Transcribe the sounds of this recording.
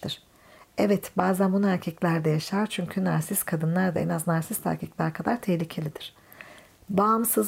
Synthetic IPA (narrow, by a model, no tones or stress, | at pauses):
ɯɾ̥ | ɛvɛt̪baːzænbunæɾcʰɛclʲæɾd̪ɛjaʃaɾt͡ʃʰyɲcʰynaɾsiskʰad̪ɯnlˠaɾd̪a̰ɛ̰naznaɾsist̪ʰa̰ɾcʰiclʲæɾkʰad̪aɾt̪ʰɛɦlʲicʰe̞lʲid̪̥iɾ̥ | bamsɯz